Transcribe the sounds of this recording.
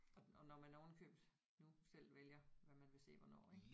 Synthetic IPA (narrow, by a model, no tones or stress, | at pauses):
ɒ̽ɒ̽nɒmænɒʊn̩kʰø̰ːb̥d̥ | nusel̰ʋeljɐʋæmænʋe̝se̝̰ːʋɒnɒ̰ːeɡ̥